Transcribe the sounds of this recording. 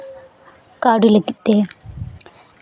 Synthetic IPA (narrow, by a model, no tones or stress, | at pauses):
kaːɽilekːit̪ːe